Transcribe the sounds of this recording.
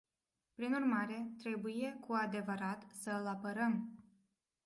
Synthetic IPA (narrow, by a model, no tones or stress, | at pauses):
pɾinurmaɾe̞t̪ɾe̞buje̞kʰuad̪e̞vəɾat̪səɨlapəɾəm